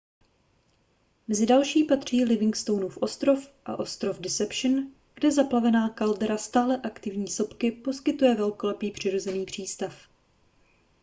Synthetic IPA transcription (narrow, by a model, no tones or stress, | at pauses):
mɛzɪdalʃiːpat̪r̝̥iːlɪvɪŋkst̪o̞wnufʔo̞st̪ɾo̞fʔa̰ʔo̞st̪ɾo̞vdɪsɛpʃn | ɡ̥dɛzaplavɛnaːkaldɛɾast̪aːlɛʔakt̪ɪvɲiːso̞pkɪpo̞skɪt̪ujɛvɛlko̞lɛpiːpr̝̥ɪɾo̞zɛniːpr̝̥iːst̪af